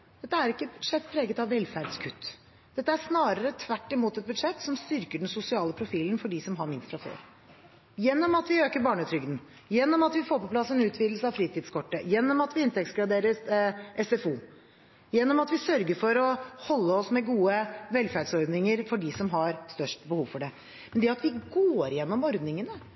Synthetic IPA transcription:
d̪̥ɛt̪ːəæɾɪkːəbʉd̪ʂɛt̪ːpʰɾeːɡət̪ɑʋːɛlːfæɾɖskʰʉt̪ː | d̪̥ɛt̪ːəæʂnɑːɾəɾət̪ʰʋæʈːɪmuːt̪ɛt̪̚bʉd̪ʂɛt̪ːsɔmst̪ʏɾkəɖɛnsʊsɪɑːləpʰɾʊfiːlənfɔɖɪsɔmɦɑɾmɪnst̪fɾɑfø̰ːɾ | jɛnːɔmɑt̪ʋɪøːkəɾbɑːɳət̪ʰɾʏɡd̪n̩ | jɛnːɔmɑt̪ʋɪfoːɾpɔpʰlɑsɛnʉːt̪ʰʋiːd̪l̩səɑʋfɾiːt̪ʰɪːd̪skʰɔʈːəjɛnːɔmɑt̪ʋɪɪnt̪ɛk̚t̪sɡɾɑd̪eːɾəɾʔɛsɛfuː | jɛnːɔmɑt̪ʋɪsœɾɡəɾfɔɾɔhɔlːəɔsmɛɡuːəʋɛlfæɖsɔɾd̪nɪŋəɾfɔɖɪsɔmɦɑɾst̪œʂʈbəhuːʋfɔɖɛ | mɛnd̪ɛɑt̪ʋɪɡoːɾjɛnːɔmɔɾd̪nɪŋənə

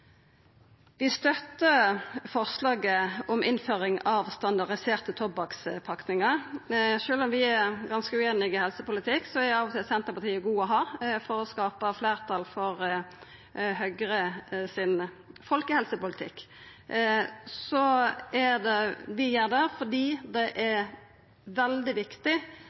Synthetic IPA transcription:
ʋɪst̪œt̪ːəfɔʁslɑːɡəɔmʔɪnføːʁɪŋɑʋst̪ɑnd̪ɑʁɖɪseːʁt̪ət̪ʰɔbɑkspʰɑknɪŋɑʁʃøːlɔmʋɪæɡɑnskəʉeːnɪɡɪhɛlsəpʊlət̪ʰɪksɔædɑːʋɔt̪ɪlsɛnt̪əʁpɑt̪ʰiːəɡuːɔɦɑːfɔɾɔskɑːpəfleːʁt̪ʰɑlfɔɾ | hœɡɾəsɪn | fɔlkəhɛlsəpʊlɪt̪ʰɪ̰kː | sɔæd̪ɛʋɪjeːʁd̪æfɔdiːd̪ɛʔæ | ʋɛld̪ɪʋɪkt̪ɪ

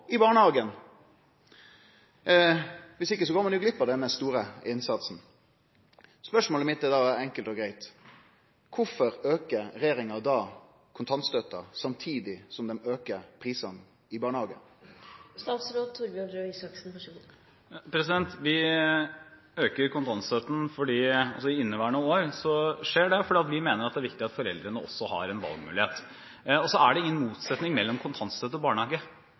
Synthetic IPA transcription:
ɪbɑːɳəhɑːɡən | ʋɪsɪkːəs̬ɔɡoːmɛnʉɡlɪpːəd̪ɛnːəst̪uːɾəɪnsɑt̪sn̩ | spœʂmoːləmɪt̪d̪ɛd̪ɑæɾɛŋkəlt̪ɔɡɾæɪt̪ | kʰʊfɔɾøːkəɾɾɛjeːɾɪŋɑd̪ɑː | kʰʊnt̪ʰɑnt̪st̪œt̪ːɑ̰sɑmt̪ʰiːd̪ɪsɔmd̪ɛmøːkəɾpʰɾiːsɑn | ɪbɑːɳəhɑːɡə̰nst̪ɑːt̪sɾoːt̪ʰːʊɾbɪɑnɾøɪsɑksnfɔ | pʰɾɛs̬ɪd̪ɛnt̪ʋɪ | øːkəɾkʰʊnt̪ʰɑnt̪st̪øːt̪n̩fɔɖiːɑlsɔɪɪnːəʋæːəɳəɔoːɾsɔʂeːɖɛfɔɖiːɑt̪ʋɪmeːnəɾɑt̪̚d̪æɾʋɪkt̪ɪɑt̪fɔɾɛld̪ɾənəɔ̰sːɔhɑ̰ɾɛnʋɑ̰lˠɡmʉ̰ːlɪheːt̪ | ɔsɔæɖɛɪŋənmuːt̪sɛt̪nɪŋmɛlːɔmkʰʊnt̪ʰɑnt̪st̪øːt̪əɔbɑːɳəhɑːɡə

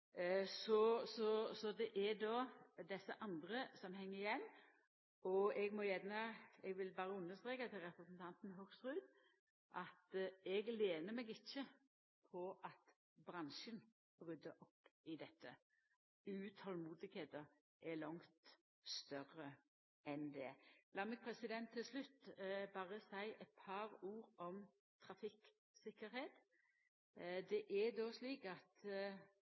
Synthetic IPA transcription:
sɔsɔsɔd̪ɛʔɛd̪ɔːd̪ɛsːəʔɑnd̪ɾəsɔmɦɛŋːəɾɪjɛnː | ɔɛɡmɔjɛnːəɛɡʋɪlbɑːɾəʉnːəst̪ɾeːkɑt̪ʰɪlɾɛpɾəsnt̪ʰɑnt̪n̩ɦʊɡst̪ʁʉːd̪ | ʔɑt̪ɛɡleːnəmɛɡɪçːə | pʰɔʔɑt̪ | bɾɑnʃən | b̥ʁʏd̪ːəʔɔpːɪd̪ɛt̪ʰːə | ʉt̪ʰɔlmuːd̪ɪɡheːt̪əɾ | ʔɛlɔŋt̪ | st̪œɾə | ɛnd̪ɛlɑːmɛɡ̚pʰɾɛsɪd̪ɛnt̪ʰːɪlslʉt̪ːbɑːʁəsæɪʔɛt̪̚pʰɑɾuːɾɔm | t̪ʰɾɑfɪk | sɪkːəɾheːt̪ | d̪ɛʔɛd̪oːsliːkɑt̪

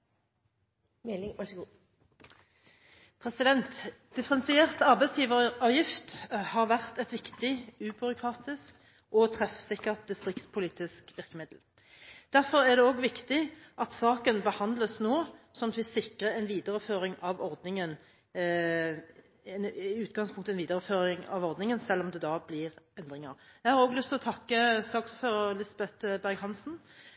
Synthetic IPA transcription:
pʰʁɛsɪd̪ɛnt̪d̪̥ɪfəʁɛnsɪeːʁt̪ɑʁbɛɪsjiːʋəʁɑːʋjɪft̪hɑʁʋæʁt̪ɛt̪ʋɪkt̪ɪʉːbʉʁʊkʰʁɑːt̪ɪsk | ʔɔt̪ʰʁɛfsɪkːəʁt̪̚d̪ɪst̪ʁɪk̚t̪spʰʊliːt̪ɪskʋɪʁkəmɪd̪l̩ | d̪̥æʁfɔʁæʁd̪ɛoːɡʋɪkt̪ɪʔɑt̪sɑːkənbəhɑnd̪ləsnoːsɔmɑt̪ʋɪsɪkʁəɛnʋiːd̪əʁəføːɾɪŋɑʋɔɾd̪nɪŋən | nɪʉːt̪̚ɡɑŋspʰʊŋkt̪əɛnʋiːd̪əɾəføːʁɪŋɑ̰ʋɔʁd̪nɪŋənsɛlːɔmd̪ɛd̪ɑːblɪːʁɛnd̪ʁɪŋə̰ʁjæɪhɑːɾoːɡlʏst̪ʰɪlɔt̪ʰɑkːəsɑːksføːʁəʁlɪsbɛt̪bæʁɡhɑnsn̩

